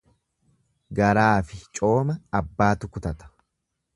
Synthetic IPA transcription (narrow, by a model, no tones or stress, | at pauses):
ɡɐɾaːfɪt͡ʃʼo̞ːmɐɐbːaːt̪ʊkʊt̪ɐt̪ɐ̥